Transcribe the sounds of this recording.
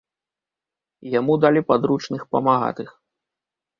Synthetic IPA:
jamud̪alʲipad̪ɾut͡ʂnɨxpɐmaɣa̰t̪ɨx

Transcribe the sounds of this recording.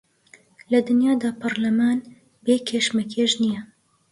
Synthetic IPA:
lɐd̪ɨnjaːd̪aːpʰɐɾlɐmaːn | beːkʰeʃmɐkʰeːʒnijɛ

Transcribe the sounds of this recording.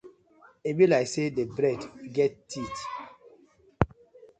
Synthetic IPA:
ebilajsedebɾɛdɡɛtːʰit

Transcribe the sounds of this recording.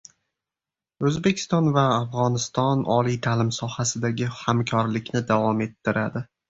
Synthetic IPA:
ɵzbe̞kʲʰɪ̥st̪ɒnvaːfʁɒnɪst̪ɒnɒ̰lit̪ʰalɪmsɒhasɪd̪aɡʲɪhamkʰɒɾlɪkʲnɪd̪avɒme̞t̪ʰːɪɾad̪ɪ

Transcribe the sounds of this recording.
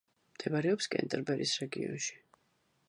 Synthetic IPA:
md̪̥ɛbaɾɛɔpskʼɛ̰nt̪ʼɛɾbɛɾisɾɛɡiɔ̰nʃi̥

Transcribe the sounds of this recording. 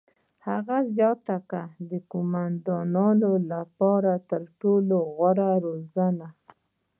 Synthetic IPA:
haɣazjɑt̪akad̪əkomand̪ɑnɑnolapɑɾat̪əɾʈoloɣwaɾaɾozana

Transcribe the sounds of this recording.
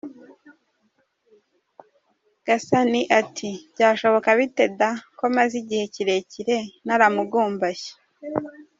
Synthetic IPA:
ɡ̥asaniʔatʰibɟaːʃo̞βo̞kaβite̞dakomaziɟihe̞ciɾe̞ciɾe̞naɾamuɡuːmbaçe̥

